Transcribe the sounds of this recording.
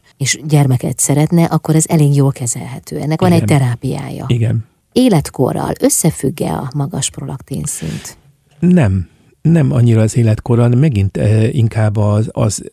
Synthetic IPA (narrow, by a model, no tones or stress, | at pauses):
eːʃɟɛrmɛkɛ̰t̪sɛɾɛt̪nɛʔɒkːo̞ɾɛzɛleːɡjoːlkɛzɛlɦɛt̪ʰøːɛnːɛkʋɒnɛct̪ɛɾaːpija̰ːjɒ̰iɡɛn | eːlɛt̪ko̞̰rɒ̰lø̞sːɛfyɡːɛ̰ɒ̰mɒɡɒʃpro̞lɒkt̪iːnsḭnt̪ | nɛm | nɛmɒɲːiɾɒːzeːlɛt̪ko̞ɾɒlmɛɡint̪iŋkaːbːɒɒ̰z